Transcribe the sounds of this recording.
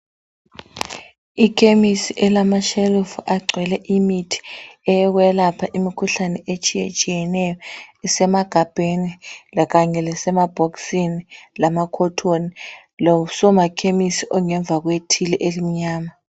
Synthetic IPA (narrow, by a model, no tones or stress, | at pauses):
ikʰʼemisiʔɛlamaʃelufuʔaɡ͡ǀʱwɛlɛʔimitʰi̥ɛjɔk̬wɛlapʰaʔimikʰuɬanɛʔet͡ʃʼijet͡ʃʼijɛnɛjɔɛsɛmaɡ̥ʱab̥ʱenilak̬aɲɛlɛsɛmab̥ʱɔksinilamakʰɔtʰoni | lɔusɔmakʰemisiʔɔŋɛɱb̪vʱak̬wetʰilɛʔelimiɲaːma